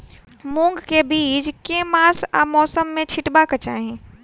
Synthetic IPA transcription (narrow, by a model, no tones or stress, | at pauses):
mũŋɡkebiːd͡ʒkemaːsa̰mɔːsəmːẽt͡ʃʰɪʈbakət͡ʃaːɦẽ